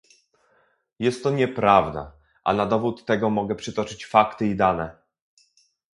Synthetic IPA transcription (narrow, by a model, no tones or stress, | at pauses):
jɛst̪ːɔɲɛpɾavd̪a̰ | ʔa̰nad̪ɔvut̪ːɛɡɔmɔɡɛpʂɘt̪ɔt͡ʂɘt͡ɕfakt̪ɘid̪anɛ